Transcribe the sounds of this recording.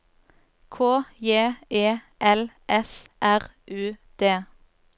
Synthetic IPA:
kʰoːjeːeː | ʔɛl | ʔɛsʔæʁʔʉːd̪̥eː

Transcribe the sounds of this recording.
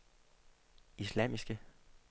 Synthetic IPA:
islæm̰isɡ̥ə

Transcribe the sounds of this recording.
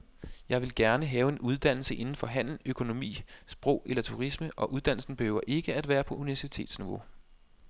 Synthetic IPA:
jɑ̈ɪʋe̝lɡ̥æɐnəɦɛːʊe̝nʔuð̞ˠd̥æn̰l̩səʔe̝nn̩fɒ̽ɦæn̰l̩økʰo̝no̝mḭːsb̥ʁɔʊelɐt͡sʰuʁisməʔɒ̽ʔuð̞ˠd̥æn̰l̩sn̩b̥e̝høʊɐʔe̝ɡ̥əæd̥ʋæːɐpʰɒ̽ʔuniʋæɐsit͡sʰe̝̰ːd̥sniʋo̝

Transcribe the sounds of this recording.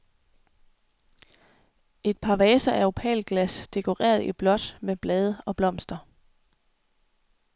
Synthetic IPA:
e̝d̥̚pʰɑ̈ʋɛːsɐʔæɐo̝pʰɛ̰ːlɡ̥læsd̥e̝kʰo̝ʁḛːɐð̞̩ˠib̥lɒ̽d̥meb̥lɛːð̞ˠəɒ̽b̥lɒ̽m̰sd̥ɐ

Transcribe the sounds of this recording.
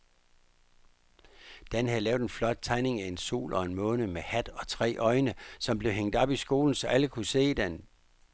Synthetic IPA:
d̥ænhæðˠlɛːʊðˠenflɒ̽d̥̚t͡sʰɑ̈ɪne̝ŋæenso̝̰ːlʔɒ̽e̝nmɔ̽ːnəmehæd̥ɒ̽t͡sʰʁɛ̰ːʔɒ̽ɪnəsɒ̽mb̥le̝ʊɦeŋ̰d̥ɒ̽b̥isɡ̥o̝ːln̩sɒ̽æləkʰuse̝̰ːd̥en

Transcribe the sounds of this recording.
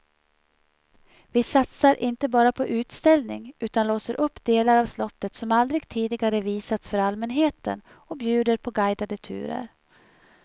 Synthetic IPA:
vɪsat̪saɾʔɪnt̪əbɑːɾapʰɔʔʉ̟ːt̪st̪ɛlnɪŋʉ̟ːt̪anloːsəɾʔɵpːd̪eːlaɾavslɔt̪ːət̪sɔmald̪ɾɪɡt̪ʰiːd̪ɪɡaɾəviːsat̪sfœɾalmɛnɦeːt̪ə̰n | ɔbjʉ̟ːd̪əɾpʰɔɡajd̪ad̪ət̪ʰʉ̟̰ːɾə̰ɾ

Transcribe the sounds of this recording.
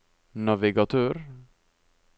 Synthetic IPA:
nɑʋɪɡɑt̪ʰøːɾ

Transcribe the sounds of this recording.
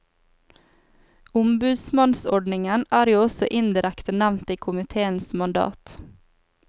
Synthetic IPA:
ʊmbʉːd̪smɑnsɔɖnɪŋənæːɾjuːɔsɔʔɪnd̪ɪɾækt̪ənæʋnt̪iːkʰʊmɪt̪ʰeːənsmɑnd̪ɑ̰ːt̪

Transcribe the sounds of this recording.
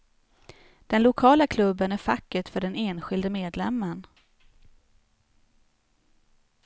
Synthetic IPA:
d̪̥ɛnlʊkʰɑːlakʰlɵbːənæɾfakːəʈfœɖɛneːnɧɪld̪əmeːd̪lɛmːən

